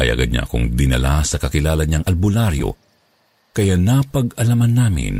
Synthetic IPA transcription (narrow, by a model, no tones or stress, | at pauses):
ʔɐjʔɐ̰ɡad̪̚ɲa̰ʔɐ̰ko̰ŋd̪ɪnɐ̰lasɐkɐkɪlaːlɐɲaŋʔɐlbʊlaɾjo̰ | kɐjanɐpɐɡɐlamɐnːaːmɪ̰n